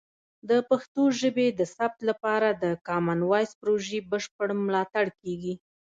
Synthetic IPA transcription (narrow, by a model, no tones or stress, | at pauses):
d̪əpaxt̪oʒəbed̪əsap̚t̪lapɑɾad̪əkɑmanwɑjspɾoʒebəʃpəɽmlɑt̪aɽkeɡi